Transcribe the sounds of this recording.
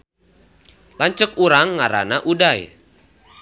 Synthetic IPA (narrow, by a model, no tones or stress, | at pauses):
laɲt͡ʃək̚uɾaŋːaɾa̰naʔudaj